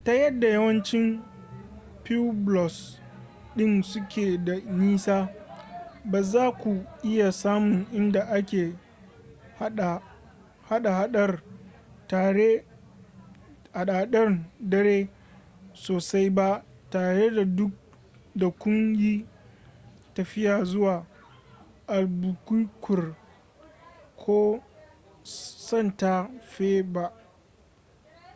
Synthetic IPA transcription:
ta˦jɐ˦dːa˨jɐ˦wɐ˦nt͡ʃɪ˦m | pi˦blɔ˨s | ɗɪ˦nsʊ˦kʲeː˨da˨niː˦saː˦ | baː˨zaː˦kʷu˨ʔɪ˦ja˨saː˦mʊ˨ŋʔɪ˦nda˨ʔa˦kʲeː˨ | ha˨ | ha˦ɗa˨ha˦ɗɐ˦r | taː˨ɽe˦ | ha˨ɗaː˨ɗɐ˦rdɐ˦ɽeː˦ | soː˨sa˦jba˦ʔtaː˨ɽe˦da˨dʊ˦k̚ | da˨kʷʊ˦ŋjiː˦ | tɐ˨ɸɪ˦jaː˨zʊ˦waː˨ | ʔa˨lbʊ˨ku˦kʷʊ˨r | kʰoː˦ | sɐ˦˨nta˦ɸeː˦ba˦ʔ

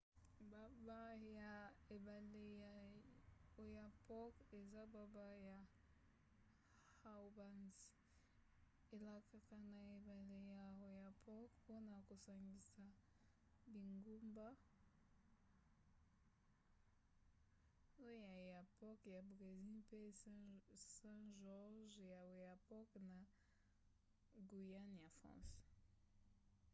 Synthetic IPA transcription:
ba˨ba˦ja˨e˨ba˨le˨ja˨ | o˨ja˨pɔ˦ke˨za˦ba˨ba˦ja˨ | ha˦ba˦nz | e˨la˨ka˨ka˨na˨e˨ba˨le˨ja˨o˨ja˨pʰɔ˦kpo˦na˨ko˨sa˨ŋɡi˨sa˨ | bi˨ŋɡu˦mba˦ | o˦ja˨ja˨pɔ˦kja˨bʁe˨zi˦lpe˦ | sɛ̃˦ʒɔ˦ʁʒja˨wo˨ja˨pɔ˦kna˨ | ɡu˨ja˦nja˨fʁɑ̰̃˦s

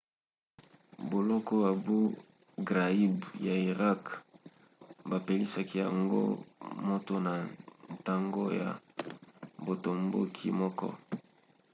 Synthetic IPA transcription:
bo˨lɔ˦kɔ˦ba˨bu˦ | ɡʁa˨i˦bja˨i˨ʁa˦k | ba˨pe˨li˦sa˦ki˦ja˨ŋɡo̰˦mo˦to˦na˨n˨ta˦ŋɡo̰˦ja̰˨ | bo˨to˨mbo˦kʰi˦mɔ˦kɔ̰˦

